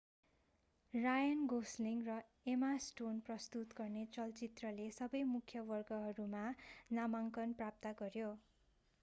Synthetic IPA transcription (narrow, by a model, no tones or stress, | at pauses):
rajʌnɡosliŋrʌ | emasʈonprʌst̪ut̪ɡʌrnet͡sʌlt͡sit̪rʌlesʌbʌjmukʰjʌbʌrɡʌɦʌɾumanamaŋkʌnprap̚t̪ʌɡʌɾjo